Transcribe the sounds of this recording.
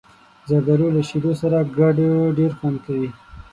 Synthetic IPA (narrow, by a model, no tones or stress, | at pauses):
zad̪aɾolaʃiɾosaɾaɡaɖɖeɾxwankawi